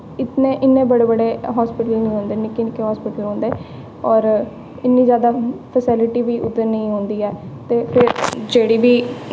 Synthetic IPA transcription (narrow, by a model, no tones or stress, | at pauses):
ɪt̪nẽːʔɪnːẽːbəɽeːbəɽeːɦɔːspɪʈəlnĩːɦõːnd̪eːnɪkɪnkẽɦɔːspɪʈəlɦõːnd̪eː | ɔːɾ | ɪnːĩːzjaːd̪aːpʰəsɪlɪʈiːʋiːʔʊd̪əɾnəĩːɦõːnd̪iːɛːt̪eːpʰɪɾd͡ʒeːɽiːbiː